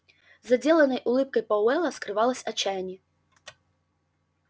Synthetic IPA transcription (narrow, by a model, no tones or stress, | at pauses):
zɐd͡zʲelˠɐnɐjʔulˠɨp̚kɐjpɐwɛlˠɐskɾɨvalˠɐsʲɐt͡ɕːajnʲɛ